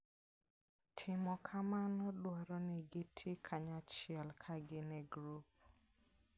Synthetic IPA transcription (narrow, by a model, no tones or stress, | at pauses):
tʰɪmɔkʰamanɔdwɔɾɔnɛɡɪtʰɪkʰaɲat͡ʃɪɛlkʰaɡɪnɛɡɾup̚